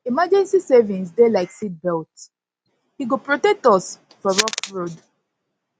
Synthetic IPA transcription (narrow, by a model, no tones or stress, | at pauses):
imad͡ʒɛ̃nsisɛvĩnsdelaɪksit̚bɛlt | hiɡopɹotɛk̚tɔs | fɔɹɔkɹod